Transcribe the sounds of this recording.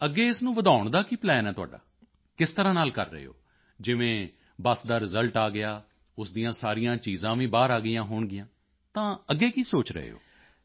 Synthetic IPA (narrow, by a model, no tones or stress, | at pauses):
əɡːeːɪsnũːʋəd̪aːʊɳd̪aːkiːplɛːnɛːt̪ʊa̰ːɖa̰ː | kɪst̪əɾãːnaːlkəɾːə̰ɦḛo̰ː | d͡ʒɪʋẽː | bəsd̪aːɾɪzəlʈaːɡɪjaː | ʊsd̪ijãːsaːɾɪjãːt͡ʃiːzãːʋĩːbaːɾaːɡɪjãːɦoːɳɡɪjãː | t̪ãːəɡːeːkiːsoːt͡ʃɾə̰ɦḛːo̰ː